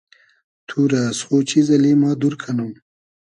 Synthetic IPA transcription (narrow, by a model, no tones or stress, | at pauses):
t̪ʰuɾasχot͡ʃizɐlimɑːd̪uɾkʰanum